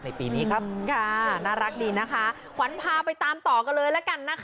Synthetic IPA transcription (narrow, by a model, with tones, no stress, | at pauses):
na˧jpiː˨˧niː˦˥kʰa˦˥kʰa˧˩naː˦˧˥ɾa˦˥k̚diː˧na˦˥kʰa˦˥ | kʰa˩˦npʰaː˧pa˧jt̪aː˧mt̪ɔː˨˩ka˧nlɤː˧jlɛ˦˥ka˧nːa˦˥kʰ